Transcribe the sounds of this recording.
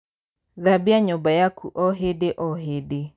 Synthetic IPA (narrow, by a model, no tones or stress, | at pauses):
ðabiaɲobajakʰuʔɔɦedeʔɔɦede